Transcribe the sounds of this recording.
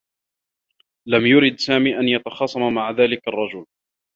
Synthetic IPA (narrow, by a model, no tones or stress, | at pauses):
lamjʊɾɪd̪saːmiːʔanjat̪ɑxɑːsˤɑmamaʕaðaːlɪkɑrˤːɑd͡ʒʊl